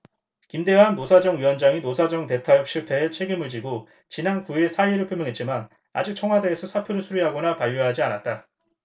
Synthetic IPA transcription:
kimde̞wanːosʰad͡ʑʌŋɥiwʌnd͡ʑaŋinosʰad͡ʑʌŋte̞tʰajʌk̚ɕ͈ipʰe̞ːt͡ɕʰwe̞ɡimɯɭd͡ʑiɡo | t͡ɕinankuisʰaiɾɯɭpʰjomjʌŋɦe̞t̚t͡ɕ͈iman | a̰d͡ʑik̚t͡ɕʰʌŋɦwade̞ːsʰʌsʰapʰjuɾɯɭsʰuɾiɦaɡonapaʎːoɦad͡ʑianat̚t͈a

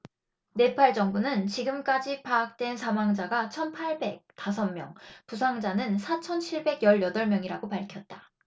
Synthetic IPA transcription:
ne̞pʰaɭd͡ʑʌŋbunɯnt͡ɕiɡɯmk͈ad͡ʑipaːk̚t͈we̞nsʰamaŋd͡ʑaɡat͡ɕʰʌnpʰaɭbe̞k̚t͈as̬ʰʌmmjʌŋpusʰaŋd͡ʑanɯnsʰat͡ɕʰʌnt͡ɕʰiɭbe̞ɡjʌɭjʌdʌɭmjʌŋiɾaɡopaɭkʰjʌt̚t͈ḁ

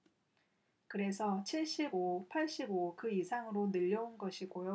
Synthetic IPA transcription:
kɯɾe̞sʰʌt͡ɕʰiɭɕ͈ibopʰaɭɕ͈ibokɯisʰaŋɯɾonɯʎːʌunɡʌɕʰiɡojo

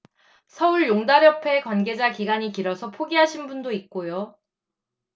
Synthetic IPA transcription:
sʰʌuɭjoŋdaɾjʌpʰe̞kwanɡe̞d͡ʑakiɡaɲikiɾʌsʰʌpʰoɡiɦaɕʰinbundoik̚k͈ojo

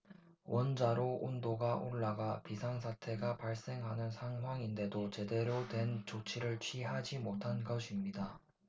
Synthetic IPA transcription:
wʔʌnd͡ʑaɾoʔundoɡaʔoɭːaɡapisʰaŋsʰatʰe̞ɡapaɭs͈e̞ŋɦanɯnsʰaŋɦwaŋinde̞dot͡ɕe̞de̞ɾotwe̞nt͡ɕot͡ɕʰiɾɯɭt͡ɕʰɥiɦad͡ʑimotʰankʌɕʰimɲida

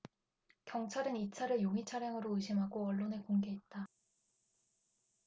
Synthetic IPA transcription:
kjʌŋt͡ɕʰaɾɯnit͡ɕʰaɾɯɭjoŋit͡ɕʰaɾjaŋɯɾoɯɕʰimɦaɡoʌɭːonekoŋɡe̞et̚t͈a

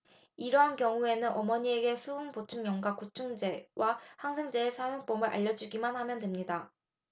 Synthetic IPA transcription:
iɾʌɦankjʌŋue̞nɯnʌmʌɲie̞ɡe̞sʰuːnpot͡ɕʰuŋɲʌŋɡwakut͡ɕʰuŋd͡ʑe̞wʔahaŋsʰe̞ŋd͡ʑeːsʰajoŋp͈omɯɾʔa̰ʎːʌd͡ʑuɡimanhamjʌndemɲida

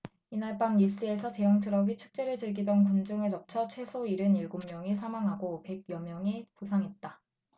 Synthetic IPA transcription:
inaɭpaŋiɭs͈ɯe̞sʰʌte̞juŋtʰɯɾʌɡit͡ɕʰu̥k̚t͡ɕ͈e̞ɾɯɭt͡ɕɯɭɡidʌnkund͡ʑɯŋɯɭt͡ɕʌp̚t͡ɕʰʌt͡ɕʰwe̞sʰoiɾɯniɭɡomːjʌŋisʰamaŋɦaɡope̞ɡ̚jʌmjʌŋipusʰaŋɦe̞t̚t͈a

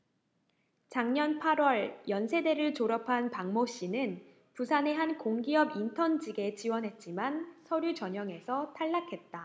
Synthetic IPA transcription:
t͡ɕaŋɲʌnpʰaɾwʌɭjʌnsʰe̞de̞ɾɯɭt͡ɕoɾʌpʰanpaŋmoɕ͈inɯn | pusʰane̞ɦankoŋɡiʌbintʰʌnd͡ʑiɡe̞t͡ɕiwʌnɦe̞t̚t͡ɕ͈imansʰʌɾjut͡ɕʌɲʌŋe̞sʰʌtʰaɭːakʰe̞t̚t͈a

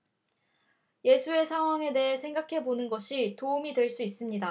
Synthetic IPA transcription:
je̞sʰue̞sʰaŋɦwaŋe̞de̞ɦesʰe̞ŋɡakʰe̞bonɯnɡʌɕʰitoumidwe̞ɭs͈uis͈ɯmɲida

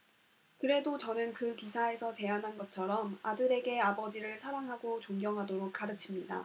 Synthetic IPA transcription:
kɯɾe̞dot͡ɕʌnɯnkɯkisʰae̞sʰʌt͡ɕe̞anɦanɡʌt͡ɕʰʌɾʌmadɯɾe̞ɡe̞abʌd͡ʑiɾɯɭsʰaɾaŋɦaɡot͡ɕoŋɡjʌŋɦadoɾok̚k͈aɾɯt͡ɕʰimɲida̰

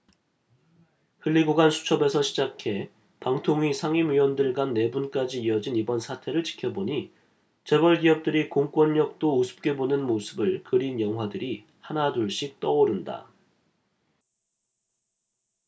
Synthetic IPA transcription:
hɯɭːiɡoɡansʰu̥t͡ɕʰʌbe̞sʰʌɕʰid͡ʑakʰe̞ | paŋtʰoŋɥisʰaŋimɥiwʌndɯɭɡanːe̞bunk͈ad͡ʑiːʌd͡ʑinibʌnsʰatʰe̞ɾɯɭt͡ɕi̥kʰjʌboɲi | t͡ɕe̞bʌɭɡiʌp̚t͈ɯɾikoŋk͈wʌɲːʌk̚t͈ousʰɯ̥p̚k͈e̞bonɯnmosʰɯbɯɭkɯɾinjʌŋɦwadɯɾi | hanaduɭɕ͈ik̚t͈ʌoɾɯnda̰

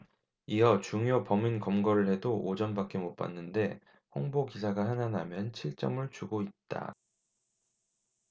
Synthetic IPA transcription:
iʌt͡ɕuŋjopʌminkʌmɡʌɾɯɭhe̞doʔod͡ʑʌnbak͈emop͈a̰nːɯnde̞ | ɸoŋbokisʰaɡahananamjʌnt͡ɕʰiɭt͡ɕ͈ʌmɯɭt͡ɕuɡoit̚t͈a̰

